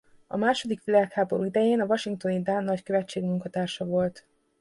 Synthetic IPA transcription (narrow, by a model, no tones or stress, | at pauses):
ɒ̰maːʃo̞d̪ikʋilaːkhaːbo̞ɾuid̪ɛjeːnɒvɒʃiŋk̚t̪o̞nid̪anːɒckøvɛt͡ʃːeːɡmuŋkɒt̪aːrʃɒvo̞lt̪